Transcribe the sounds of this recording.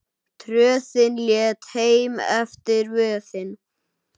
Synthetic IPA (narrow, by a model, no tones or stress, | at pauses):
t̪ʰɾœːθɪnljɛːt̪heːjmɛ̰ft̪ɪɾvœːθɪn